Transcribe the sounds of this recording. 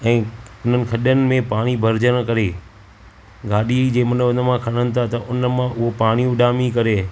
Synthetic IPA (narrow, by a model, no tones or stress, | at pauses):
ɛ̃ːʊn̤ənɪ̆kʰɐɗənɪ̆mẽpaːɽ̃ibʱɐɾd͡ʑəɽ̃kɐɾeː | ɡaːɗid͡ʑeːmənʊnəmãkʰɐɽ̃ənɪ̆t̪ʰat̪ɐʔʊnəmãʔʊɦopaːɽ̃ijũɗaːmĩkɐɾeː